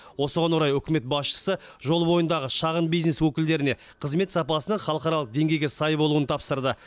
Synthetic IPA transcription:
wo̞səʁɑnwoɾɑjʏkʲɪme̞t̪̚bɑsʃə̥sə | ʒo̞lˠbo̞jənd̪ɑʁəʃɑʁənbijzne̞swɵkʲɪld̪e̞ɾɪne̞ | qʰəzme̞t̪sɑpɑsənəɴχɑlˠəqɑɾɑlˠəq̚d̪e̞ŋɡʲe̞jɡʲe̞sɑjbo̞lˠuwənət̪ʰɑpsəɾd̪ə

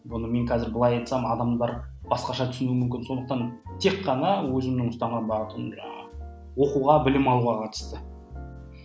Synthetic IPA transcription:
bʊnəme̞ŋkʰɑzɪɾbəlˠɑjɑjt̪sɑmɑd̪ɑmd̪ɑɾb̥ɑsqɑʃɑt̪ʰʏ̥sɪnumʏmkʲɪnso̞nd̪əq̚t̪ɑnt̪ʰe̞kːɑnɑwɵzɪmnɪŋʊst̪ɑɴʁɑbɑʁət̪ənʒɑ | wo̞quʁɑbɪlɪmɑlˠuʁɑqʰɑt̪ə̥st̪ə

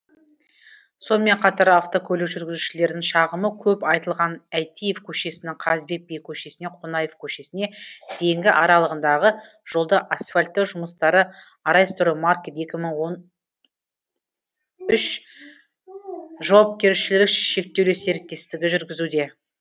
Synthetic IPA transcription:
so̞nəme̞ɴqʰɑt̪ɑɾaft̪o̞kʲʰɵlekʒʏɾɡʲɪzuʃɪle̞ɾd̪ɪŋʃɑʁəməkʲʰɵpɑjt̪əlˠʁɑnæjt̪ijevkʲʰɵʃe̞sɪnɪŋqʰɑzbe̞k̚bejkʲʰɵʃe̞sɪne̞qʰonɑje̞fkʲʰɵʃe̞sɪne̞d̪̥e̞ŋɡʲɪʔɑɾɑlˠəʁənd̪ɑʁəʒ̥o̞lˠd̪ɑʔasfalʲt̪ːeʒʊməst̪ɑɾə | ɑɾɑjst̪ʊɾəmarkʲet̪e̞kʲɪməɴwo̞n | ʏʃ | ʒɑwɑp̚kʲe̞ɾʃɪlɪɪkʃe̞k̚t̪ːe̞wlese̞ɾɪk̚t̪ːe̞st̪ɪɡʲɪʒʏɾɡʲɪzud̪e̞

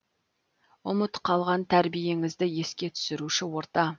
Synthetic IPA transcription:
ʊmət̪qʰɑlˠʁɑnt̪ʰæɾbije̞ŋɪzd̪ɪje̞skʲe̞t̪ʰʏ̥sɪɾuʃɪwo̞ɾt̪ɑ

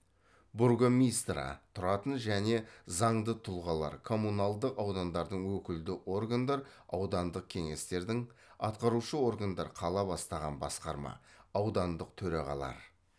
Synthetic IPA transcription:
buɾɡomʲist̪ɾɑ̰t̪ʰʊɾɑt̪ənʒæne̞zɑɴd̪ət̪ʰʊlˠʁɑlˠɑ̰ɾkʰo̞munalˠd̪əqɑwd̪ɑnd̪ɑɾd̪əɴwɵkʲɪld̪ɪʔo̞rɡand̪ɑɾɑwd̪ɑnd̪əq̚kʲʰe̞ŋe̞st̪e̞ɾd̪ɪŋɑ̰t̪̚qɑɾuʃəo̞rɡand̪ɑ̰ɾqʰɑlˠɑbɑst̪ɑʁɑnbɑ̰sqɑɾmɑ̰ɑwd̪ɑnd̪əq̚t̪ʰɵɾɑʁɑ̰lˠɑ̰ɾ

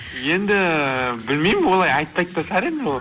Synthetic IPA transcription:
je̞nd̪ɪbɪlmejmwo̞lˠɑjɑjt̪̚ːɑjt̪ːɑsæɾe̞nd̪e

